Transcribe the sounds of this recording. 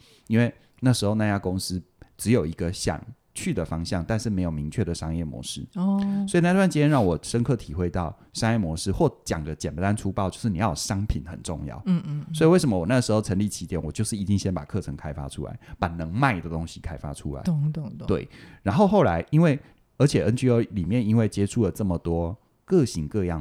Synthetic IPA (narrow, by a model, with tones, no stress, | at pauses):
i˥nwe˥˧ɪ | na˥˩ʂɻ̩˧˥xo˧ʊna˥˧˩t͡ɕja˥ko˦˥ŋs̩˦ | ʈ͡ʂɻ̩˧˦jo˨˩ʊi˧˥ɡə˧ɕjɑ̰˨˩ŋ | t͡ɕʰy˥˩d̪ə˩fɑ˥ŋɕjɑ˥˨ŋt̪a˥˧nʂɻ̩˥˩me˧˥ɪjo˨˩ʊmi˧˦ŋt͡ɕʰɥɛ˥˩d̪ə˩ʂɑ˥ŋjɛ˥˩mwɔ̰˧˥˦ʂɻ̩˥swɔ˧˥i˨˩na˥˧wa˥˧nt͡ɕi˥jɛ˥nɻɑ˥˩ŋwɔ˨˩ʂə˥nkʰɤ˥˩t̪ʰi˨˩xwe˥˧ɪt̪ɑ˥˨˩ʊ | ʂɑ˥ŋjɛ˥˩mwɔ˧˦ʂɻ̩˥xwɔ˥˩t͡ɕjɑ˨˩ŋd̪ə˦t͡ɕɛ˨˩nt̪a˦nʈ͡ʂʰu˥pɑ˥˨ʊt͡ɕjo˥ʊʂɻ̩˥˩ni˨jɑ˥˩jʂɑ˥ŋpʰi˨˩˦nxə̰˨˩nʈ͡ʂʊ̰˥˧ŋjɑ̰˥˩ʊswi˨we˥˩ɪʂə˧˦mə˦˩wɔ˨˩na˥˩ɡə˩ʂ̩˧˥xo˥˩ʊʈ͡ʂʰə˧˥nli˥˩t͡ɕʰi˧˥jɛ˨˩˦nwɔ˨˩t͡ɕjo˥˧ʊʂɻ̩˥˩i˧˥t͡ɕ̪i˥˧ŋɕjɛ˥npa̰˨˩kʰɤ˥˩ʈ͡ʂʰə˧˥ŋkʰa˥ɪfa̰˥ʈ͡ʂʰṵ˥la̰˧˦ɪpa˨˩nɤ˧˦ŋma˥˩ɪd̪ə˩t̪o˦˥ŋɕi˧kʰa˥ɪfa̰˥ʈ͡ʂʰu˦la̰˧˦˧t̪wḛ˥˩ɪɻa˧˥nxo˥˧ʊxo˥˩ʊla˧˦ɪʔi˥nwe˥˩ɪ | ə˞˧˥t͡ɕʰjɛ˨˩ʔə˧˥nt͡ɕy˧˥jo˧˩ʊli˨˩mjɛ˥˨ni˥nwe˥˩ɪt͡ɕjɛ˥ʈ͡ʂʰu˥˩lə˩ʈ͡ʂə˥˩mə˩t̪wɔ˥ | kɤ˥˨ɕi˧˥ŋkɤ˥˧jɑ˥˩